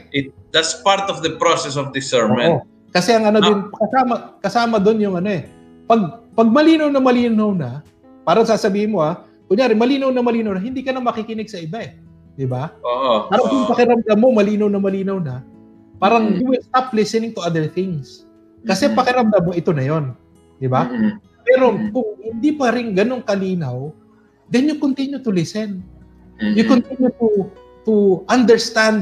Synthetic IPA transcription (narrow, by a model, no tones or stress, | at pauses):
ʔɪt̪̚d̪ɐtspaɾt̪ɔvd̪ɐpɹosɛs̬ɔvd̪ɪsɛmɛʔo | kɐsɛʔɐŋʔɐnod̪ɪnkɐsaːmɐkɐsaːmɐd̪o̞njʊŋʔɐno̞ɛ | pɐɡ̚pɐɡ̚mɐliːnɐwnɐmɐliːnɐwnɐ | paːɾɐɐŋsaːsɐbiːhɪnmo̞a | kʊŋjaːɾɪmɐliːnɐwnɐmɐliːnɐwnɐɦɪnd̪iːkɐnɐmɐkɪkɪnɪɡ̚sɐɪbaɛ | d̪ɪbaoʔoaːɾɐŋpʊŋpɐkɪɾɐmd̪ɐmːo̞mɐliːnɐwnɐmɐliːnɐwnɐ | paːɾɐŋjuwɪlst̪aplɪsɛnɪŋt̪ʊʔad̪əɹθɪŋs | kɐsɛpɐkɪɾɐmd̪ɐmːo̞ʔɪt̪o̞nɐjo̞n | d̪ɪba | pɛːɾo̞kʊŋhɪnd̪ipɐɾɪŋɡɐno̞ŋkɐliːnɐw | d̪ɛnjʊkont̪ɪnjut̪ʊlɪsɛn | jʊkont̪injut̪u | t̪ʊʔɐnd̪ɛɹst̪and̪̚